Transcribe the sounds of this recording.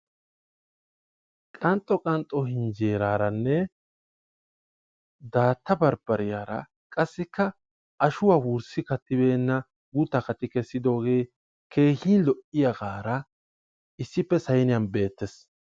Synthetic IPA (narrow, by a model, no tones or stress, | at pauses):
kʼɐnt̪ʼːɔkʼɐnt̪ʼːɔɦɪnd͡ʒeːɾaːɾɐnːɛ | d̪aːt̪ːɐbɐɾb̥ɐɾɪjaːɾɐ̰ | kʼɐsːɪkːɐ | ɐʃʊwaːwuɾsɪkɐt̪ːɪbe̞ːnːɐ | ɡʊt̪ːɐkɐt̪ːɪkɛsːɪd̪o̞ːɡe̞ː | ke̞ːhiːnlɔʔɪjɐɡaːɾɐ | ɪsːɪpːɛsɐjnɪjɐnbe̞ːt̪ːɛs